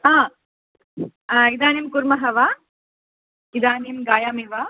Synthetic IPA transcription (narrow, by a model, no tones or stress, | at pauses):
ɦãː | id̪aːnimkuɾmɐɦɐʋaː | kid̪aːnimɡaːjaːmiʋaː